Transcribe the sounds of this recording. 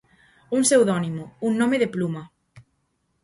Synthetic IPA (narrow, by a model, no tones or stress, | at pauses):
uŋsewðɔnimʊuŋnõmeðeplumɐ